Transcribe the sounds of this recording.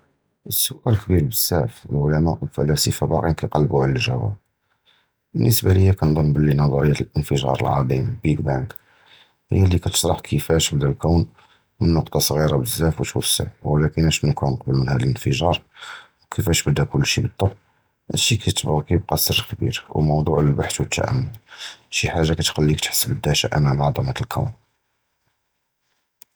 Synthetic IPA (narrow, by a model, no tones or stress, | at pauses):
ʔəsːʊʔælkbiɾbəz̥ːæfəlʕʊlæmæʔbfælæsəfabɑ̰qjnkæqɑlːbuʕləʒæwæ̰b̚ | bə̰nːʔəsbæləjːækænd̪ˤɑmbəlːinɑd̪ˤɑɾəjːæt̪əlʔənfəʒɑ̰ɾˤəlʕɑ̰d̪ˤimbiɡbænk | hə̰jːælikæt̪ə̥sˤɾˤɑħkʰəfæʃbd̪ælkæwn | mənːʊqt̪ˤɑsˤɣiɾabəzːæfwət̪ʃusə̰ʕwəlækənæʃnukunq̚bəlmənhæd̪ələnfəʒɑɾˤwkʰəfæʃbəd̪ækʊlːʃibət̪ˤːɑb | hæ̰d̪ʃikæt̪bəɣkib̚qɑsəɾkbḭɾwmɑwd̪ˤuʕləlbaħt̪wət̪ʰːæ̰ʔə̰mːəlʃiħaʒːakæt̪xælːik̚t̪ħə̥sːəbəd̪ːæʃæ̰ʔæmæmʕɑd̪ˤɑmæt̪əlkʰæ̰wn